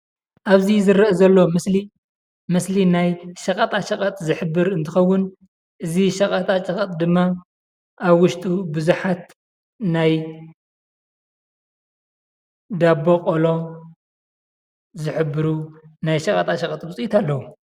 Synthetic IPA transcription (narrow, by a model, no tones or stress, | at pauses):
ʔaβzizɨɾɐʔezɐlːo̞mɨsli | mɨslinajʃɐkʼɐt̪ʼaʃɐkʼɐt̪ʼzɨħɨbːɨɾɨnt̪ʰɨxɐwːʊn | ʔɨziʃɐkʼɐt̪ʼat͡ʃʼɐkʼɐt̪ʼd̪ɨmːa | ʔaβwʊʃt̪ʼubɨzuħat̪̚ | naj | d̪abːokʼolo̞ | zɨħɨbːɨɾunajʃɐkʼɐt̪ʼaʃɐkʼɐt̪ʼbɨt͡sʼujit̪ʰalːɐwu